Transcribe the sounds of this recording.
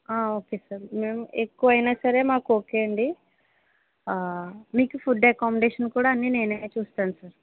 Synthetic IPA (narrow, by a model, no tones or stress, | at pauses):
aːo̞ːkeːsaːɾme̞ːmekːuʋɐjnaːsɐɾe̞ːmaːkuo̞ːkeɐɳɖi | miːkupʰuɖɐkɔːmeɖeːʂɐnkuːɽaːɐnːiːne̞ːnɐt͡ʃuːst̪aːnusaːɾ